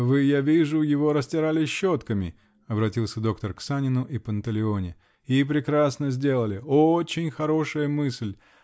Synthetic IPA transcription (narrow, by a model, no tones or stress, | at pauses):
vɨjavʲiʐʊjɪvo̞ɾəsʲtʲɪɾalʲɪɕːot̪kəmʲɪ̰ | ɐbɾɐtʲilˠsʲəd̪o̞kt̪ərksanʲɪnʊʔipənt̪əlʲɪo̞nʲɪ | ip̬ɾʲɪkɾasnəzʲdʲe̞lˠəlʲɪot͡ɕɪnʲxɐɾo̞ʂəjəmɨsʲlʲ